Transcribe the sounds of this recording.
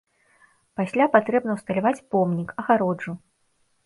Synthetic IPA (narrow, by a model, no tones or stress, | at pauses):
pasʲlʲapat̪ɾɛbnɐwst̪ɐlʲavat͡sʲpɔmnʲikɐɣaɾɔd͡ʐu